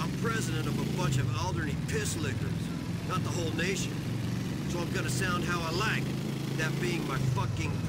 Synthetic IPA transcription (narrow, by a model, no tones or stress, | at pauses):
ãɪ̃mpʰɹ̥ɛzɨɾɨ̃ntʌvəbʌ̃nt͡ʃʌvælˠdə˞nipʰɪslɪkə̰˞z̥ | nət̪̚ðəɦoʊlˠneɪʃɨ̰̃n | soʊãɪ̃mɡʌnɨsãʊ̃nd̚ɦaʊaɪlaɪk̚ | ðɨt̚b̥iɪ̃ŋmaɪfʌkɪ̃ŋ